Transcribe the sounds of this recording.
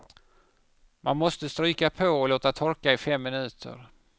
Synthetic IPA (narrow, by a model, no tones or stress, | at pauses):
mʔanmɔst̪əst̪ɾyːkapʰɔːloːt̪at̪ʰɔɾkaɪfɛmːɪnʉ̟ːt̪ʰə̰ɾ